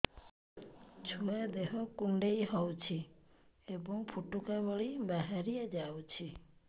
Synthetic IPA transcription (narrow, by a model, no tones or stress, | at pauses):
t͡ʃʰuad̪eɦɔkuɳɖejɦɔwt͡ʃʰi | ebɔŋpʰuʈukabɔɭibaɦaɾied͡ʒawt͡ʃʰi